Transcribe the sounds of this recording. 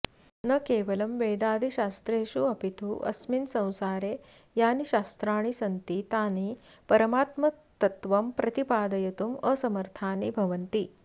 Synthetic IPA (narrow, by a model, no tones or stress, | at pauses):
nɐkeːʋɐlɐmʋeːd̪aːd̪ʱiʃaːst̪ɾeːʃuɐpit̪uʔɐ̰sminsɐ̃w̃saːɾeː | jaːniɕaːst̪ɾaːɳ̃isɐnt̪it̪aːni | pɐɾɐmaːt̪mɐ | t̪ɐt̪ʋɐmpɾɐt̪ipaːd̪ɐjɐt̪umɐsɐmɐɾt̪ʰaːnibʱɐʋɐnt̪i